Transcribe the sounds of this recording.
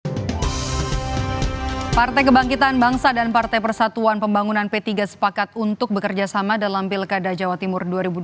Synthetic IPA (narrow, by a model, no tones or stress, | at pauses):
part̪ajk̬əbaŋkit̪anbaŋsadanpart̪ajpərsat̪uanpəmbaŋunanpɛt̪iɡasə̥pakat̪̚unt̪ʊk̚bəkərd͡ʒasamadalampilkadad͡ʒawat̪imʊrduaɾibu